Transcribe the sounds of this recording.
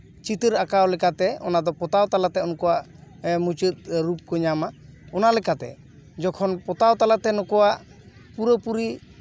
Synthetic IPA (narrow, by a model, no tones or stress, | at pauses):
t͡ʃit̪əɾakawlɛkat̪ɛɔ̰nad̪ɔpɔt̪awt̪alat̪ɛɔnkɔwaʔ | mut͡ʃət̪̚ɾup̚kɔɲamaɔnalɛkat̪ɛ̰ | d͡ʒɔkʰɔnpɔt̪awt̪alat̪ɛnɔkɔwaʔ | puɾəpuɾi